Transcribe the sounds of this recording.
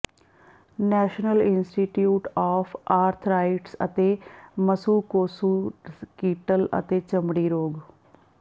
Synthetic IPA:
nɛːʃnəlɪnsʈiːʈjuːʈɔːpʰaːɾt̪ʰɾaːiʈsə̰t̪eːməsuːkoːsuːkiːʈələ̰t̪eːt͡ʃəmɽiːɾoːɡ

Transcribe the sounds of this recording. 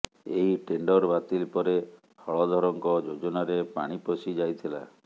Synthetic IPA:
eɦiʈeɳɖɔɾbat̪ilpɔɾe | hɔɭɔd̪ʱɔɾɔŋkɔd͡ʒod͡ʒɔnaɾepa̰ɽ̃iposid͡ʒajt̪ʰila̰

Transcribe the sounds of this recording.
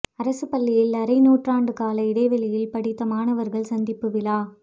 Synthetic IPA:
ɐɾɐsɯpɐlːɪjɪlɐɾɐɪnuːʈraːɳɖɯkaːlɐɪɽɐɪʋɐlɪjɪlpɐɽɪt̪ːɐmaːnɐʋɐɾɣɐɭsɐnd̪ɪpːɯʋɪlaː

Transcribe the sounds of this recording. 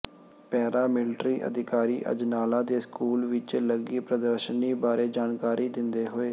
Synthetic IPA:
pɛːɾaːmɪlʈɾiːʔə̰d̪ɪkaːɾiːʔə̰d͡ʒnaːlãːd̪eːskuːlʋɪt͡ʃləɡiːpɾəd̪əɾʃəniːbaːɾeːd͡ʒaːnkaːɾʔiːd̪ɪnd̪eːɦoːeː

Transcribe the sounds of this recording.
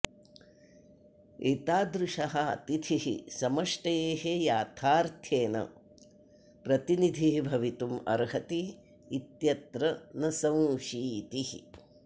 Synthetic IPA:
it̪aːd̪ɾuʂɐɦɐt̪it̪ʰiɦḭsɐmɐʂʈɐjeːɦejaːt̪ʰaːɾt̪ʰjeːnɐ̰ | pɾɐt̪inid̪ʱiɦbʱɐʋit̪umɐ̰ɾɦɐt̪iː | t̪jɐt̪ɾɐnɐsɐ̃w̃ʃiːt̪ihḭ

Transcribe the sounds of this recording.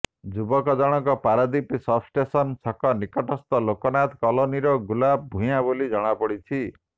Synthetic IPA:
d͡ʒubɔkɔd͡ʒɔɽ̃ɔkɔpaɾɔd̪ipisɔbsʈesɔnsʰɔkɔnikɔʈɔst̪ɔlokɔnat̪kɔloniɾɔɡulab̚bʱũjabolid͡ʒɔɽ̃apɔɽit͡ʃʰi

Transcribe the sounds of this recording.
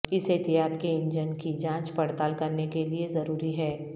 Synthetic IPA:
ɪsɪt̪iɦaːd̪keɪ̃ɲd͡ʒənkid͡ʒãːt͡ʃpɐɽt̪aːlkɐɾnekeliezɐɾuːɾiɦɛː

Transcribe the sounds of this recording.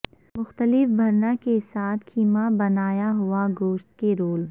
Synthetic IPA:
mʊxt̪əlɪfbʱɐɾnakesaːt̪ʰkʰiːmabɐnaːjaɦʊaɡoːʃt̪̚keɾoːl

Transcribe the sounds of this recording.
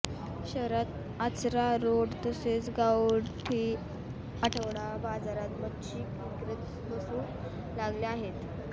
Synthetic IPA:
ɕəɾat̪ | at͡sɾaɾoɽt̪əset͡sɡawɽʈʰiː | aʈʰəʋɽabad͡zaɾat̪mətɕiːkikɾit̪ | bəsuː | laɡliaɦet̪

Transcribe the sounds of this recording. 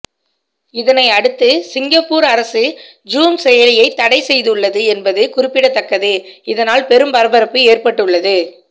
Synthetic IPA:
ɪðɐnɐɪɐɽɯt̪ːɯsɪŋɡɐpːuːɾɐɾɐsɯ | d͡ʒuːmsɛjɐlɪjɐɪt̪ːɐɽɐɪsɛjðɯɯɭːɐðɯɛnbɐðɯkʊɾɪpːɪɽɐt̪ːɐkːɐðɯɪðɐnaːlpɛɾɯmpɐɾɐbɐɾɐpːɯeːrpɐʈːɯɭːɐðɯ

